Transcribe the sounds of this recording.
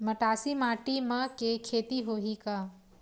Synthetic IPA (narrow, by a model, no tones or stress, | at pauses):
mɐʈaːsimaːʈimɐ̃kekʰeːt̪iɦoːɦikaː